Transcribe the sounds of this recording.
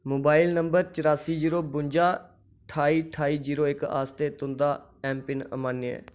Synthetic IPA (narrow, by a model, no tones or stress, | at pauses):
moːbaːɪlnəmbəɾt͡ʃəɾaːsiːd͡ʒiːɾoːbʊɲd͡ʒaː | ʈʰaːiːʈʰaːiːd͡ʒiːɾoːɪka̰ːst̪eːt̪ʊ̃nd̪aː | ɛ̃ːmpɪnə̰maːniɛ̰ː